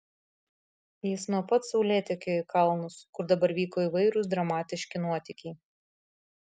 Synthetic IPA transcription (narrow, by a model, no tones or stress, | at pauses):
jɪsnuɔpɐt̪sɐʊlʲeːt̪ʲɪkʲekɐlˠnʊskʊɾd̪ɐbɐɾʋʲiːkoːiːʋɐɪɾʊs̬d̪ɾɐmɑːt̪ʲɪʃʲkʲɪnuɔt̪ʲɪkʲiː